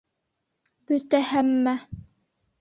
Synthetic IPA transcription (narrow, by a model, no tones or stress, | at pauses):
b̥ɵt̪æhæmːæ